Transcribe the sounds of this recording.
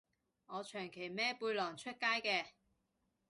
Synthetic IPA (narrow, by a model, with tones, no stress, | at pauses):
ŋɔː˨˧t͡ʃʰœː˨˩ŋkʰe˨˩jmɛː˥puː˧jlɔː˨˩ŋt͡ʃʰɵ˥t̚kaː˥jkɛː˧